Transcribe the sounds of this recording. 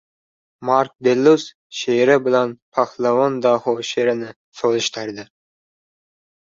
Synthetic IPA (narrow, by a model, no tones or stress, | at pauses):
maɾk̚d̪elːus | ʃeɾɪbɪlanpʰɑχlˠɑwond̪ɑhoʃeɾɪnɪ | solˠɪʃt̪ʰɪɾd̪ɪ